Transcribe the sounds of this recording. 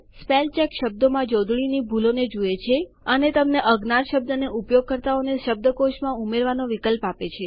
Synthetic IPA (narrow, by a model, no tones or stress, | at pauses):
spelt͡ʃɛkʃəb̚d̪omãd͡ʒɔd̪ʱɭinibʱuloned͡ʒuet͡ʃʰe | ənet̪əmneʔəɡnaɾʃəb̚d̪əneʔupjoɡ̚kəɾt̪aoneʃəb̚d̪əkoʃmãumeɾʋanoʋikəlpapet͡ʃʰe